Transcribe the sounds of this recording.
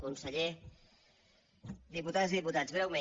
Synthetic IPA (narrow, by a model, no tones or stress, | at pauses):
kunsəʎe | ðiput̪aziðiput̪ad͡zɣɾɛwme